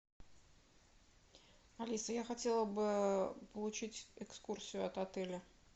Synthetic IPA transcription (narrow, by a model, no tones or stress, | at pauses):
ɐlʲisəjaxɐtʲe̞lˠəbɨpəlˠʊt͡ɕitʲɪkskursʲɪjʊɐt̪ɐt̪ɛlʲə